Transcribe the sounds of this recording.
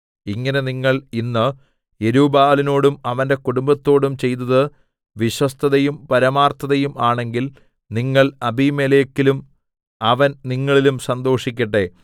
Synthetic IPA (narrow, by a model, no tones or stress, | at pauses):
iŋːɐne̞niŋːɐɭinːɨ | eɾuːbaːlino̞ːɽumɐʋɐnde̞kuɽumbɐt̪ːo̞ːɽumt͡ɕe̞jt̪̬ɐðɨ | ʋiɕwɐst̪ʰɐðɐjumpɐɾɐmaːrt̪ʰːɐðɐjumaːɳe̞ŋɡil | niŋːɐɭɐbimelekːilum | ɐʋɐnniŋːɐɭilumsɐnd̪o̞ːʂikʲːɐʈːe̞